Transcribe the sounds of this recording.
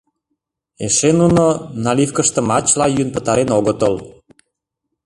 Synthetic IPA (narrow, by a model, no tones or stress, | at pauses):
eʃenunonɑlifkəʃt̪ə̆mɑt͡ɕlɑjynpə̆t̪ɑɾenoɣot̪əl